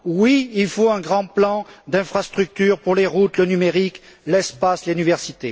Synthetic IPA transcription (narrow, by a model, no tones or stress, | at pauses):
wiilfoɛ̃ɡʁɑ̃plɑ̃d̪ɛ̃fχast̪χyk̚t̪yʁpuʁleʁut̪lənymeʁik | lɛspaslenivɛʁsit̪e